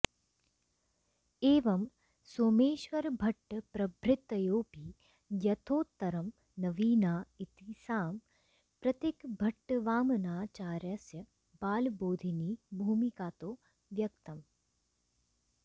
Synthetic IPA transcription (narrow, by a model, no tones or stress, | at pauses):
eːʋɐm | soːmeːʃʋɐɾbʱɐʈːpɾɐbʱɾɪt̪ːɐjoːpiː | jɐt̪ʰoːt̪ːɐɾɐm | nɐʋiːnaːit̪isaːm | pɾɐt̪ɪkbʱɐʈːʋaːmnaːt͡ʃaːɾjɐsjɐ | baːlboːd̪ʱiniːbʱuːmikaːt̪oː | ʋjɐk̚t̪ɐm